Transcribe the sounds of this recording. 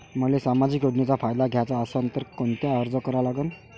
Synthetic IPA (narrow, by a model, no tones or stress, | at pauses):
m̤əlesamad͡ʑiːkoɖɳet͡safajd̪aɡʱjat͡saəsənt̪əɾkont̪jaəɾd͡zəkəɾalaɡən